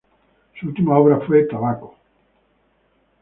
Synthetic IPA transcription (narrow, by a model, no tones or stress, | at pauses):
suult̪imaoβ̞ɾafwe̞t̪aβako̥